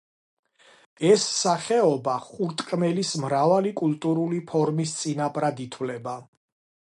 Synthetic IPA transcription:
ɛsːaχɛɔbaχuɾt̪ʼkʼmɛlismɾavalikʼult̪ʼuɾulipʰɔɾmist̪sʼinapʼɾad̪it̪ʰwlɛba

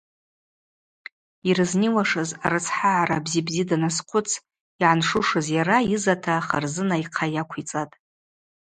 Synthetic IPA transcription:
irɨzniwaʂɨza̰ɾɨt͡sʰħaʕarabzibzidanasqʷʰʊt͡sʰ | iʕanʂʊʂɨzjaɾajizatʰaχa̰rzɨnaiqʰajakʷʰit͡sʼatʼ

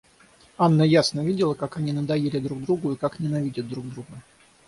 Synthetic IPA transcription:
anːəjasnəvʲidʲɪlˠəkakɐnʲinəd̪ɐjelʲɪd̪ɾuɡ̚d̪ɾuɡʊikaknʲɪnɐvʲidʲɪt̪̚ːɾuɡ̚d̪ɾuɡə

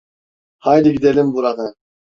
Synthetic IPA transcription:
hajliɡid̪elʲimbuɾanɯ

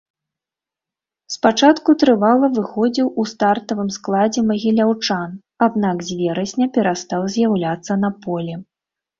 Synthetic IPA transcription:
spat͡ʂat̪kut̪ɾɨvalˠɐvɨxɔd͡zʲiwust̪art̪ɐvɨmsklˠad͡zʲɛmɐɣʲilʲawt͡ʂan | ad̪̚nakzʲvʲɛɾɐsʲnʲɐpʲɛɾast̪awzʲjawlʲat̪sːɐnɐpɔlʲɛ

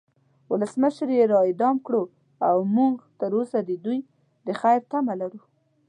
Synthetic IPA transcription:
wʊləsməʃɾjeɾɑɪd̪ɑmkɽo | awmuŋɡt̪əɾosad̪əd̪uj | d̪əxajɾt̪amalaɾu

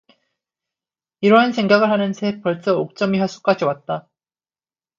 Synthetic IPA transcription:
iɾʌɦansʰe̞ŋɡaɡɯɭhanɯnsʰepʌɭt͡ɕ͈ʌok̚t͡ɕ͈ʌmiɦaɭs͈ʰu̥k͈ad͡ʑiwat̚t͈a

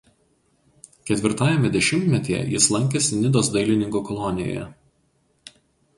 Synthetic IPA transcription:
kʲɛt̪ʲʋʲɪɾt̪ɑːjɛmʲɛd̪ʲɛʃʲɪmʲt̪ʲmʲɛt̪ʲijɛ̰jɪslˠɐŋʲkʲɛsʲɪnʲɪd̪oːsd̪ɐɪlʲɪnʲɪŋkokɔlˠɔnʲɪjo̰jɛ̰

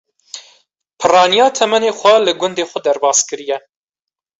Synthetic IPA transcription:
pʰɨrɑːnijɑːt̪ʰɛmɛneːxʷɛlɨɡʷʊnd̪eːxʷʊd̪æɾbɑːskɨɾijɛ

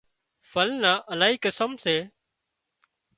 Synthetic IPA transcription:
fəlnaːʔəlaːɦiːkəsəmseː

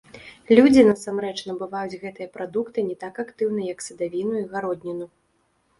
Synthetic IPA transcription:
lʲud͡zʲinɐsamɾɛt͡ʂn̪ɐbɨvajud͡zʲɣɛt̪ɨjɐpɾad̪ukt̪ɨnʲɛt̪akakt̪ɨwnɨjɐksɐd̪avʲinuiɣaɾɔd̪ʲnʲinu

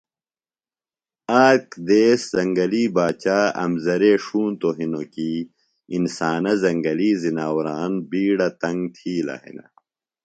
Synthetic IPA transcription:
aːkd̪eːszɐŋɡɐliːbaːt͡ɕaːɐ̰mzɐɾeːʂuːnt̪oɦinokiː | insaːnɐzɐŋɡɐliːzinaːwɾaːnbiːɽɐt̪ɐŋɡt̪ʰiːla̰ːɦḭnɐ̰

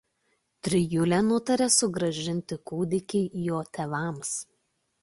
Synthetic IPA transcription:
t̪ʲɾʲɪjʊlʲɛnʊt̪ɐɾʲɛsʊɡɾɐʒʲɪnʲt̪ʲɪkuːd̪ʲɪkʲɛɪjoːt̪ʲeːʋɑˑms

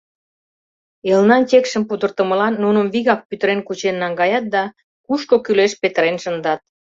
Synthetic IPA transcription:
elnɑntʲekʃəmpud̪ərt̪ə̆mə̆lɑnːunəmβiɣɑk̚pyt̪əɾenkut͡ɕenːɑŋɡɑjɑt̪̚d̪ɑ | kuʃkokyleʃpet̪əɾenʃənd̪ɑt̪̚

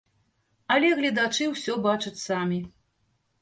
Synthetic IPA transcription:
ɐlʲɛɣlʲɐd̪at͡ʂɨwsʲɔbat͡ʂɐt͡sʲsamʲi

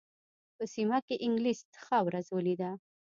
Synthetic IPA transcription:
pəsimakeʔɪŋɡlist̪xawɾazwəlid̪a

